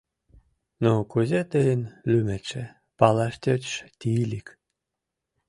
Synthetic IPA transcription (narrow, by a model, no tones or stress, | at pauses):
nokuzet̪əənlymet͡ʃe | pɑlɑʃt̪ʲøt̪ʃt̪ʲilʲik